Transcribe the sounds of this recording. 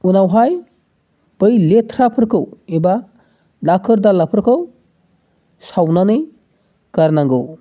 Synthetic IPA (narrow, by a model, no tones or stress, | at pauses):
unawɦaj | b̥əjlet̪ʰɾapʰəɾkʰɯweba | lakʰəɾd̪alapʰɯɾkʰɯw | sawnanɯj | kaɾnaŋɡɯw